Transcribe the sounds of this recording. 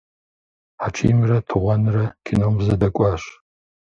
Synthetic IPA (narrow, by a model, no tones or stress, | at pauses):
ħat͡ʃʰḭːmrɐtʰɨʁʷɔnɨrɐkʰʲinoːmzɐdɐkʷʼɑːɕ